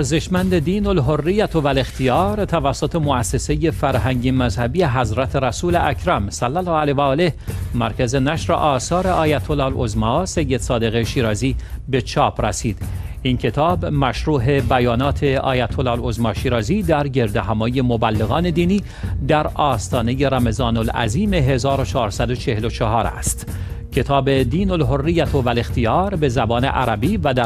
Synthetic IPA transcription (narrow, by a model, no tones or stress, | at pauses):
ɾzeʃmænd̪ed̪iːnolɦorːijæt̪ʰovæle̞xt̪ʰijɒːɾt̪ʰævæsːot̪ʰe̞moæsːe̞seje̞fæɾɦæŋɟemæzhæbijeɦæzɾæt̪ʰeɾæsuːleʔæcʰɾæmsælːælːɒːælevæɒːlehmæɾkʰæze̞næʃɾḛʔɒːsɒːɾe̞ʔɒːjæt̪ʰolɑːlozmɒːse̞jːed̪̥sɒːd̪e̞ɣeʃiːɾɒːziːbe̞t͡ʃʰɒːpʰræ̰siːd̪̥ | incʰe̞t̪ʰɒːbmæʃɾuːɦe̞bæjɒːnɒːt̪ʰe̞ɒ̰ːjæt̪ʰolɑːlozmɒːʃiːɾɒːziːd̪æɾɟe̞ɾd̪eɦæmɒːje̞mobælːeɣɒːne̞d̪iːniː | d̪æɾɒːst̪ɒːne̞je̞ɾæme̞zɒːnolæ̰ziːme̞ɦe̞zɒːɾot͡ʃʰɒːɾsæd̪o̞t͡ʃʰe̞helo̞t͡ʃʰɑɦɒːɾæ̰st̪cʰe̞t̪ʰɒːbe̞d̪iːnolɦorːijæt̪ʰovæle̞xt̪ijɒːɾbe̞zæbɒːne̞̰ʔæɾæbiːvæd̪æ